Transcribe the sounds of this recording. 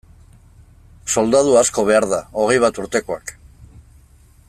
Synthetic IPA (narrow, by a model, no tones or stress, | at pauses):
so̞ld̪aðuasko̞β̞e̞aɾðao̞ɣ̞ejβ̞at̪uɾt̪e̞ko̞a̰k